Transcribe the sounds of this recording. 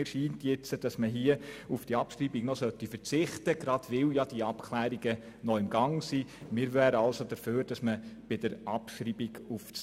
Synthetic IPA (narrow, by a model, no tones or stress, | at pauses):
ɪɾʃiːntjɪt͡səd̥ɑsməɦiəufd̥iɑpʃriːbiɡnɔsœtːifəɾt͡sɪχtəɡ̥ɾɑd̥ʋɪljad̥iɑpkʰlæːɾiɡə | nɔɪmɡɑŋsimɪːɾʋæːɾəɑlsod̥əɾføːɾd̥ɑsməb̥ɪd̥əɾʔɑpʃɾiːbiɡufs